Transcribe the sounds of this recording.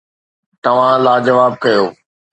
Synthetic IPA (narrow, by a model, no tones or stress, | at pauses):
t̪ɐʋ̤ãlaːd͡ʑɐʋaːb̚kɐjoː